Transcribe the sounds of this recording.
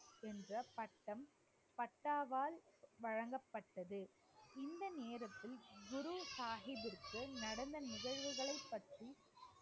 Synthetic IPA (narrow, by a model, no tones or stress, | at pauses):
ɛndrɐpɐʈːɐm | pɐʈːaːʋaːlʋɐɻɐŋɡɐpːɐʈːɐðɯ | ɪnd̪ɐneːɾɐt̪ːɪlɡʊɾusaːɣɪðɪɾkːɯnɐɽɐnd̪ɐnɪɣɐɪʋɐɣɐɭɐɪpːɐʈri